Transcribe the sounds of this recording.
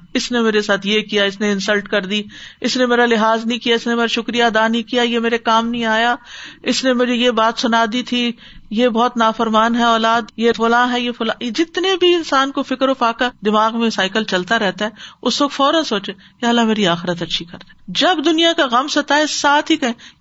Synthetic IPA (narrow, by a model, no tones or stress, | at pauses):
ɪsnemeːɾesaːt̪ʰjekijaɪsneɪ̃nsəlʈkɐɾd̪iɪsnemeːɾalɪɦaːznɐĩkijaɪsnemeːɾaʃʊkɾijad̪aːnĩkijajemeːɾekaːmnɐɦĩaːjaɪsnemʊd͡ʒejebaːt̪sʊnaːd̪it̪ʰi | jebɔːt̪naːfəɾmaːnɦɛɔːlaːd̪jefʊlãːɦɛjefʊlã̰jed͡ʒɪt̪nebʱiɪnsaːnkofɪkəɾoːfaːkad̪ɪmaːɣmẽsaːɪkəlt͡ʃɐlt̪aɾɛɦt̪aɦɛʊsʋɐk̚fɔːɾə̃nsoːt͡ʃe | keɦɐlːameːɾiaːxɪɾət̪ɐtːʃʰikɐɾd̪ẽ̥ːd͡ʒɐbd̪ʊnijakaɣɐmsɐt̪aɦɛsaːt̪ʰɦikɐɦẽ